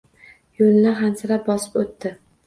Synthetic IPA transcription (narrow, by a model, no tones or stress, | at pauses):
jolɪnaɦansɪɾap̚bɒsɪ̥pot̪ːɪ